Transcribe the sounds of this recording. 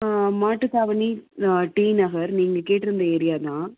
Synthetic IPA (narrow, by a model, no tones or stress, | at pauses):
maːʈːɯk̪aːʋɐniʈiːnɐɣɐɾniːŋɡɐkeːʈːɯɾɐnd̪ɐɛɾɪjaːt̪ãː